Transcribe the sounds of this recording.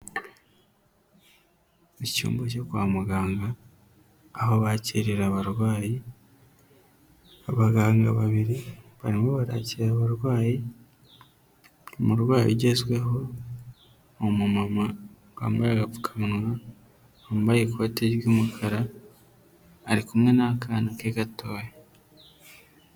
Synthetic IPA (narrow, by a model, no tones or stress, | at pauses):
ecṵːmboco̞kwaːmuɡaːŋɡaː | ho̞βaciːɾiɾaβaɾɡwaːji | aβaɡaːŋɡa̰βaβiɾiβaɾimoβaɾa̰ciɾaβaɾwaːji | omuɾɡwaːjṵɟe̞zwe̞ɦo̞ | mumama | ɡ̥a̰mbaɾaɡafu̥kʰḁmunwa | omuβajekwoteɾjuːmukʰaɾa | ɾikumŋe̞nakaːnakeɡatoːja